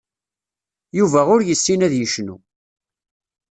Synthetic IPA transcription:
juvæʊɾjəsːinæðjəʃnṵ

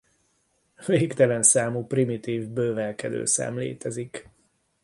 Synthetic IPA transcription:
veːkt̪ɛlɛnsaːmuprimit̪iːvbøːvɛlkɛd̪ø̰ːsa̰ːmlḛːt̪ɛzik

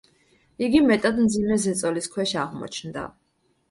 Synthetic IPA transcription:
iɡimɛt̪ʼad̪md̪zimɛzɛt̪sʼɔliskʰwɛʃaʁmɔ̰t͡ʃʰnd̪a̰

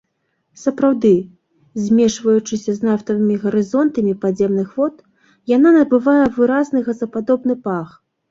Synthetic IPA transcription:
sɐpɾawd̪ɨ | zʲmʲɛʂvɐjut͡ʂɨsʲɐznaft̪ɐvɨmʲiɣɐɾɨzɔnt̪ɐmʲipadzʲɛmnɨxvɔt̪ | jananɐbɨvajɛvɨɾaznɨɣɐzɐpad̪ɔbnɨpax

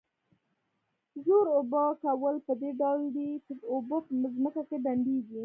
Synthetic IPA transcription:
zoɾobokawəlpəd̪eɖawld̪itəobopəməzməkakebaɳɖeɡi

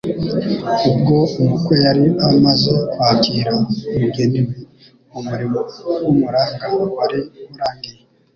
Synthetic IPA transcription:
ub̚ɡo̞umukwe̞jaɾiamazekwaːkiːɾaemiɡe̞nimi | umuɾimowumuɾaːŋɡawaɾimuɾaːŋɡije

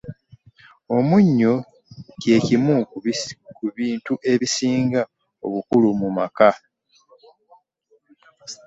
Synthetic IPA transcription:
o̞muɲːo̞ | ce̞ːcimu | kuβiːntuʔe̞βisiːŋɡa | o̞̰βukulumumaka

